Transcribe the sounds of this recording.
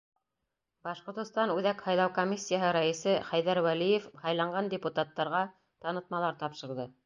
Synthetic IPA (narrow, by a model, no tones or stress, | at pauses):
bɑʃqŏɾt̪ɤ̆st̪ɑnʉðækhɑjlˠɑwkomʲisʲːijaɦɤɾæĭsɘχæjðæɾwælijefhɑjlˠɑɴɢʁɑndʲɪput̪at̪ːɑɾʁɑ | t̪ɑnɤ̆t̪̚mɑlˠɑɾt̪ɑpʃɤ̆ɾðɤ